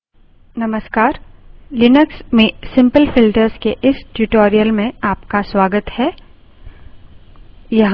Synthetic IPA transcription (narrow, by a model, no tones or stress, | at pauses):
nɐməskaːɾlɪnəksmẽsɪ̃mpəlfɪlʈəɾzkeʔɪsʈjuʈoːɾijəlmẽaːpkaswaːɡət̪hɛː | jɐɦ